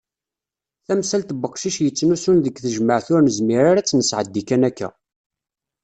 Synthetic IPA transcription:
θæmsælt̪əbəqːʃiʃjət͡sːnusunðəkθəʒməʕθʊɾnəzmiɾaɾæt͡sːnəsʕəd̪ːikænækːæ̰

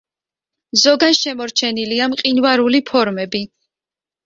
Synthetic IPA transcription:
zɔɡanʃɛmɔɾt͡ʃʰɛniliamqʼinvaɾulipʰɔɾmɛbi

